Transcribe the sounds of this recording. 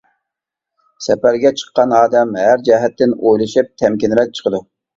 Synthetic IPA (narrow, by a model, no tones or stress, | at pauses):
sɛpæɾɡʲɛt͡ʃʰə̥qːɑnɑːd̪ɛmɦæɾd͡ʒɛɦɛt̪ːɪnojlˠɨʃɨp̚t̪ʰɛmkʲinɾɛt̚t͡ʃʰə̥qʰəd̪u